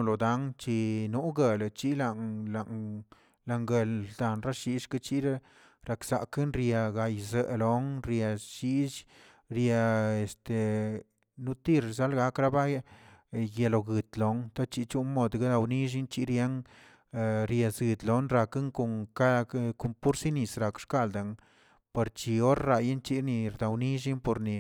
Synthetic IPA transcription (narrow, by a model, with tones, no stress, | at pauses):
lo˨d̪a˧˦ŋt͡ʃi˧nu˦ɡe˨lt͡ʃi˦la˧˨ŋla˨ŋ | la˧ŋɡe˧ld̪a˨nɾa˦ʃi˧ʂka˦t͡ʃi˦ɾa˦ | ɾa˧ksa̰˨ke˦nɾja˧ɡa˨jzə˨lo˨˦ŋɾja˧ʃi˦ʃ | ɾja˧e˨st̪e˨ | nu˧˦t̪i˦ɾza˦lɡa˧˦kɾa˦ba˦ | je˧lo˨ɡɨ˨t̪lo˨˦ŋt̪a˦t͡ʃi˧t͡ʃu˦nmo˧d̪ɡa˦d̪a˧wni˦ʒ̬i˦nt͡ʃi˧ɾja˧˦ŋ˧ | ɾja˨zɡɨ˨d̪lo˨˦nɾa˧ka˦ŋko˨ŋka˦˧˦ko˧mpu˦ɾsi˦ni˧˨sɾa˨kʂka˦˧˨ld̪a˨ŋ | pe˨ɾt͡ʃi˧o˦ɾɾa˧ja˦nt͡ʃi˦ni˧ɾd̪a˨wni˦ʒ̬i˦npo˧ɾni˨